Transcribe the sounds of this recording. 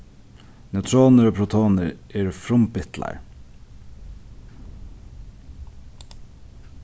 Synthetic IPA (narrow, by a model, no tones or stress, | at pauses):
nœt̪ʰɾoːnəɾoːpʰɾʊt̪ʰoːnəɾeːɾfɾʊmpɪt̪lʔɑ̰ɾ